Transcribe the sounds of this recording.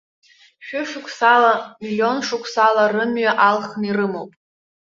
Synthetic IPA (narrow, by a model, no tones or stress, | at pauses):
ʃᶣʊʂʊkʷʰʼsalamilʲjo̞nʂʊkʷʰsalarɨmɥaʔalχnirɨmowpʼ